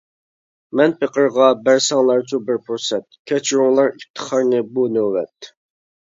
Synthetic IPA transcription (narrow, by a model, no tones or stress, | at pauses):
mɛnpʰəqʰəɾʁɑbæɾsɑŋlˠɑɾt͡ʃʰubɪɾpʰuɾsɛt̪̚kʲʰɛt͡ʃʰuɾuŋlˠɑɾip̚t̪ʰːə̥χɑɾnɨbunøwɛ̰t̪